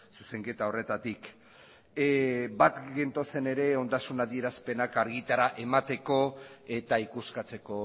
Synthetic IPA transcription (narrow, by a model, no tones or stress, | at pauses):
suse̞ŋke̞t̪ao̞re̞t̪at̪ik | bat̪ɡe̞nt̪o̞se̞ne̞ɾe̞o̞nd̪asunaðie̞ɾaspe̞nakaɾɣit̪aɾaʔe̞mat̪e̞ko̞e̞t̪aikuskat͡se̞ko̞